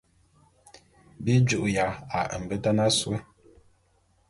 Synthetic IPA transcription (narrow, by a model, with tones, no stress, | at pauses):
bi˦d͡ʒu˨ʔja˨a˨ə̰˨m̩˨bə˦ta˦na˦swə˦